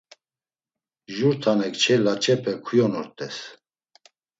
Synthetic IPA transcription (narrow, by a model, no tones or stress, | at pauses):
ʒuɾt̪ʰanɛkʰt͡ʃʰɛlat͡ʃʰʼɛpʰɛkʰujɔnɔɾt̪ʼɛs